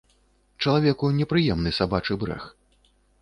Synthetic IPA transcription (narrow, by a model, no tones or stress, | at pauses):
t͡ʂɐlˠavʲɛkunʲɛpɾɨjɛmnɨsabat͡ʂɨbɾɛ̰x